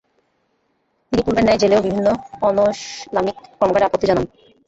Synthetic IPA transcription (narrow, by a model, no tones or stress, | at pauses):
t̪inipuɾmeɾnːɛed͡ʑeleobibʱinːoɔnoʃlamikːɔɾmokaɾeapot̪ːid͡ʑanan